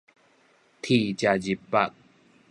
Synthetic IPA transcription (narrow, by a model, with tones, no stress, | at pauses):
t̪ʰi˨˩t͡ɕa˨zi˨˩pːa̰˦˨k̚